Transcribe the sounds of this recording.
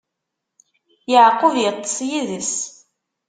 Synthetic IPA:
jəʕqːʊvjət̪ˤːə̥sjiðəs

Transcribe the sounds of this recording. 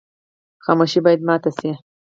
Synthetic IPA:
xɑmuʃibɑːjad̪mɑːt̪asi

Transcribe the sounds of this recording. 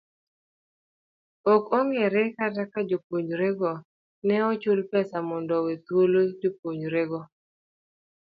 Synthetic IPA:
ɔkɔŋɡɛɾɛkatakad͡ʒopoɲɾeɡɔ | nɛɔt͡ʃʊlpɛsamɔndɔwet̪wolod͡ʒopwoɲɾeɡɔ

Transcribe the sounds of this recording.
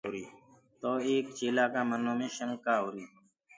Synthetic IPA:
ɾiː | t̪oːeːkt͡ʃeːlaːkãːmənõːmẽːʃəŋɡkaːuɾiː

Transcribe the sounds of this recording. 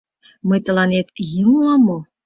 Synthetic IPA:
mɤ̆t̪ɤ̆lˠɑnʲet̪jimlˠɑmo

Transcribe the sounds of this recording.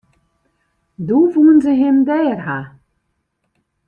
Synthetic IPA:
duvuːənzəɦɪmdɛːrɦa

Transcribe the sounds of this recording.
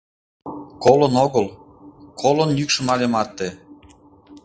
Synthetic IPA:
kolŏnoɣəl | kʰolonjykʃə̆mɑlemɑt̪ːe

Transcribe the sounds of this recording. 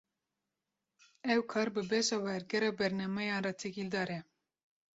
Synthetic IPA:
ɛwkʰɑːɾbɨbɛʃɑwɛɾɡɛɾɑːbɛɾnɑːmɛjɑːnrɑt̪ʰɛkild̪ɑːɾɛ

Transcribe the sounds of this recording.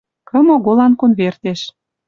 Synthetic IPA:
kə̆moɣolɑnkonβert̪eʃ

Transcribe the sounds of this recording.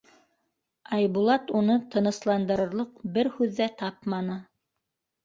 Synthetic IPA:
ɑjβulˠɑt̪unɤt̪ɤ̆nɤ̆slˠɑnd̪ɤ̆ɾɤ̆ɾlˠɤq̚bɘɾhʉðːæt̪ɑp̚mɑnɤ

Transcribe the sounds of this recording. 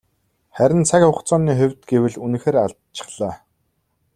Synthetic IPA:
χæɾʲɪ̆nt͡sʰakχʊχt͡sɔːniːχʊ̟wʲt̪̚ɡewɘ̆ɮun̆xeːɾaɮ | t͡ɕɪ̥̆χɮ̥aː

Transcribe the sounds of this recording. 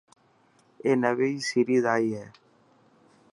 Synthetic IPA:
eːnəʋeiːsiɾiːzaːiːɦɛː

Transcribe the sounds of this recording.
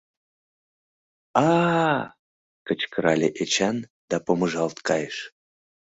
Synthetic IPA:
ɑ | kət͡ɕkəɾɑlʲeʔet͡ɕɑnd̪̥ɑpoməʒɑlˠt̪kɑjeʃ

